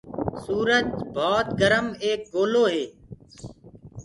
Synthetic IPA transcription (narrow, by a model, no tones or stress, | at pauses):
suːɾəd͡ʒbʱɔːt̪ɡəɾəmeːk̚ɡoːloːɦeː